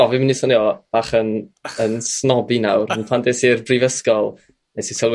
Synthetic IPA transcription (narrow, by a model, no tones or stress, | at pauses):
ɔvɪminisɔniɔb̥aχənənsnɔbinawɾənpʰandɛsirbrivəskɔlˠ | ɛsisɔl